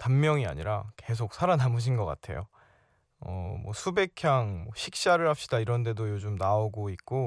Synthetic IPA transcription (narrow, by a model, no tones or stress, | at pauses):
tammːjʌŋia̰ɲiɾake̞s̬ʰok̚sʰaɾanamuɕ̬ʰinɡʌk͈a̰tʰe̞̰jo | ʌ̰mwʌ̰sʰube̞kʰjaŋmʌɕʰik̚ɕ͈aɾɯɭhap̚ɕ͈idaiɾʌnde̞dojod͡ʑumnaoɡoik̚k͈o